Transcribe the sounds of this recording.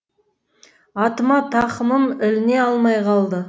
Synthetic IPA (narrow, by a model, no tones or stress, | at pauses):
ɑt̪əmɑt̪ʰɑχəməmɪlɪne̞ɑlˠmɑjqʰɑlˠd̪ə